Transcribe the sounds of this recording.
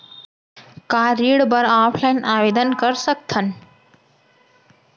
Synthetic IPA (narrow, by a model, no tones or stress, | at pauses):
kaɾiɽbəɾapʰlaɪnaʋed̪ənkəɾsək̚t̪ʰən